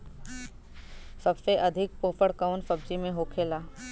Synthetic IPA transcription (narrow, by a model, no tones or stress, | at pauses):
sɐbseʔɐd̪ʱɪk̚poːfʰəɽkaːnsɐbd͡ʒimẽɦoːkʰeːlaː